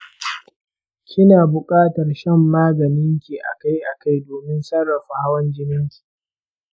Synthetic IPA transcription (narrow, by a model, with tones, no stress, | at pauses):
kʲɪ˦naː˨bʊ˨kʼaː˦tɐ˨rʃɐ˦˨mːaː˦ɡɐ˨nɪ˦ŋkʲiː˨ʔa̰˨ka˦jʔa˨ka˦˨jdoː˨mɪ˦nsɐ˦rːɐ˨ɸa˨ha˦wɐ˦nd͡ʒɪ˦nɪ˦ŋkʲi̥˨